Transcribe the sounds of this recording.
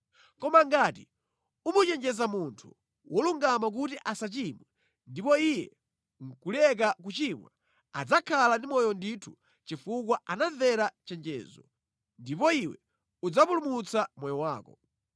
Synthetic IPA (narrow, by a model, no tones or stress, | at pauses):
kɔmaŋɡati | umut͡ʃɛnd͡ʒɛzamuntʰu̥ | wɔluŋɡamak̬utiʔasat͡ʃimwɛ | ndipɔijɛ̰ | ŋ̩kulɛk̬akut͡ʃimwa̰ | ad͡zakʰalandimɔjɔnditʰu̥ | t͡ʃifuk̬waanaðɛɾat͡ʃɛnd͡ʒɛ̰ːzɔ | ndipɔiwɛ̰ | ud͡zapulumut͡samɔjɔwaːkɔ